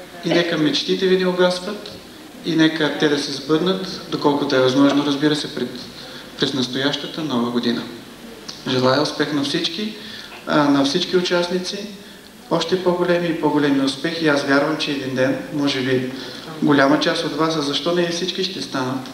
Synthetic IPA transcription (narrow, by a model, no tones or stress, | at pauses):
inɛkəmɛt͡ʃt̪it̪ɛvinɛʊɡasvət̪ | inɛkət̪ɛd̪ɐsɛzbɤd̪nət̪d̪okɔlˠkʊt̪oɛvɐzmɔʒnoɾɐzbiɾəsɛpɾɛt̪ | pɾɛsnɐst̪ojaʃt̪ət̪ənɔvəɡod̪inə̰ | ʒɛlˠaɛʊspɛxnɐfsit͡ʃki | nɐfsit͡ʃkiʊt͡ʃasnit̪si | ɔʃt̪ɛpɔɡolɛmiːpoɡolɛmiʊspɛxiasvʲjaɾvɐmt͡ʃɛːd̪ind̪ɛnmɔʒɛbiɡolʲamɐt͡ʃast̪ot̪vasɐzɐʃt̪ɔnɛifsit͡ʃkiʃt̪ɛst̪anət̪